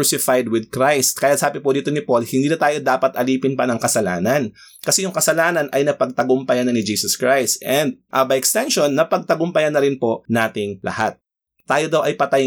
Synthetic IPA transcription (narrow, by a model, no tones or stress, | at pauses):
sɪfajd̪wɪd̪̚kɾajst̪̚kaːjɐt̪̚saːbɪpod̪iːt̪o̞nɪpo̞lhɪnd̪iːnɐt̪aːjo̞d̪aːpɐt̪ʔɐliːpɪnpɐnɐŋkɐsɐlaːnɐn | kɐsɛjʊŋkɐsɐlaːnɐnʔɐjnɐpɐɡ̚t̪ɐɡʊmpɐjanɐnɪd͡ʒiːsɐskɹajst̪ʔɛnd̪̚ʔɐbɐjʔɛkst̪ɛnʃonːɐpɐɡ̚t̪ɐɡʊmpɐjanɐɾɪnpo̞naːt̪ɪŋlʔɐ̰hat̪̚ | tːaːjod̪awʔɐjpɐt̪aj